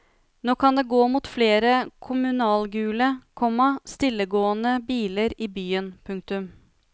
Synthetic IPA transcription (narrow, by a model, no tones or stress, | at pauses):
noːkʰɑnd̪eːɡoːmuːt̪fleːɾəkʰʊmʉnɑːlɡʉːləkʰɔmːəst̪ɪlːəɡoːənəbiːləɾiːbyːənpʰʉŋk̚t̪ʉm